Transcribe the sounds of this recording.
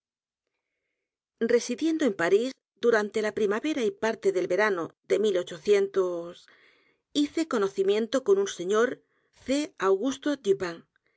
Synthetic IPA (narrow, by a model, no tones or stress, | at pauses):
re̞siðje̞nd̪oe̞mpaɾiz | d̪uɾant̪e̞lapɾimaβe̞ɾaipaɾt̪e̞ðe̞lβe̞ɾanoðe̞milo̞t͡ʃo̞θje̞nt̪os | iθe̞ko̞no̞θimje̞nt̪o̞ko̞nunse̞ɲo̞ɾ | θe̞awɣust̪o̞d̪ipaŋ